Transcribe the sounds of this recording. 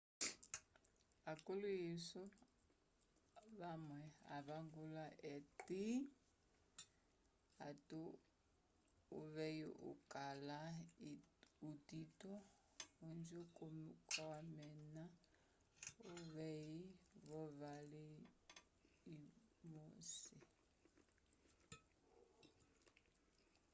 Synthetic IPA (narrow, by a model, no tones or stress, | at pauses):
akʼuluisɔ | βamwɛa̰βaŋɡulaʔɛtʼi | atʼu | βɛjiʔṵkʼala | uditʼɔ | und͡ʒikʼumkʼɔwamɛna | uβɛjiβɔβali | moːsi